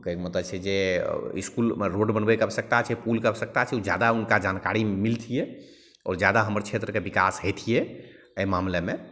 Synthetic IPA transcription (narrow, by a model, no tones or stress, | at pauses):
keekmət̪ət͡ʃʰɛd͡ʒeḭskulɾoɖbənbekəbsək̚t̪at͡ʃʰɛpulkəbsək̚t̪at͡ʃʰɛud͡ʒjad̪aunkad͡ʒankaɾimilt̪ʰijɛ | ɔ̰ːɾd͡ʒjad̪aɦəməɾt͡ʃʰet̪ɾəkebikasɦet̪ʰijɛ | əjmamleme